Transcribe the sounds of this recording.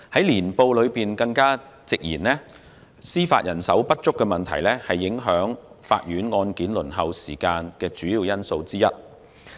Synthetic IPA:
hɐ˨˥jliː˨˩npo˧wlɵ˨˧ɥpiː˨nkɐ˧ŋkaː˥ | t͡sɪ˨k̚jiː˨˩nlɛː˥ | siː˥fa̰ː˧t̚jɐ˨˩nsɐ˨˥wpɐ˥t̚t͡ʃʊ˥kːɛː˧mɐ˨˩nt̪ʰɐ˨˩jlɛ˥hɐ˨jːɪ˨˥ŋɦœː˨˥ŋfa̰ː˧t̚jyː˨˥nŋɔː˧nkiː˨˥nlɵ˨˩nɦɐ˨wsḭː˨˩kaː˧nkɛː˧t͡ʃyː˨˥jiː˨˧wjɐ˥nso˧wt͡siː˥jɐ˥t̚

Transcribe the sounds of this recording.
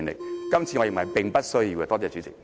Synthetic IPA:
nlɪ̰˨kkɐ˥mt͡sʰiː˧ŋɔ˨˧i˨˩ŋmɐ˨˩jpɪ˨ŋpɐ˥t̚sɵ˥ɥji˧wkɛ˧t̪ɔː˥t͡sɛː˧˩t͡ʃy˨˦˥t͡sɪ̰˨˩k̚

